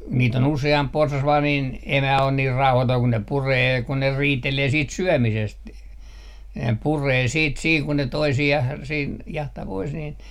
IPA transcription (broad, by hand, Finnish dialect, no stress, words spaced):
niːt on useɑmp porsɑs ʋɑː niːn emæ on niːr rɑuhɑtoi kun ne pureː kun ne riːteleː siːt syømisest ne pureː siːt siː kun ne toisiɑh siːn jɑhtɑ pois niːn